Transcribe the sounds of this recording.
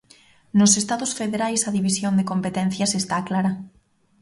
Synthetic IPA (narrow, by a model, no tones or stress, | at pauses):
nosest̪aðosfeðeɾajsaðiβ̞isjond̪ekompet̪en̟θjasest̪aklaɾa